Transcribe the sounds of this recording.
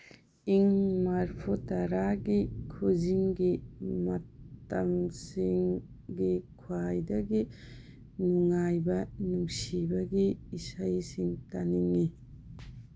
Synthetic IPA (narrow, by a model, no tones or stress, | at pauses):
iŋmaɾpʰutɐɾaɡikʰuziŋɡimɐtɐmsiŋ | ɡikʰwajdɐɡi | nuŋajbɐnuŋsibɐɡiːsajsiŋtaniŋi